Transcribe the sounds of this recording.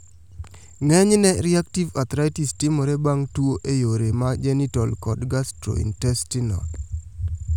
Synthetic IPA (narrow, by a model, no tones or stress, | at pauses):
ŋɛɲnɛɾiaktivat̪ɾaitistimoɾebaŋtwoʔejoɾemad͡ʒɛnitɔlkɔdɡastɾo̰ḭntɛstinɔ̰t